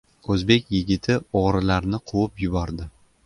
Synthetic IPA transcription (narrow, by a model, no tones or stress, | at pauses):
ɵzbe̞kʲjɪɡʲɪt̪ʰɪɒʁɾɪlaɾnɪqʰʊwʊpjʊbɒɾd̪ɪ